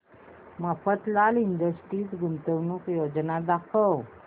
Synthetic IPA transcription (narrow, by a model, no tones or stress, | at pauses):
mafət̪lalind̪əsʈiːsɡunt̪əwnuːkjod͡znad̪akʰəw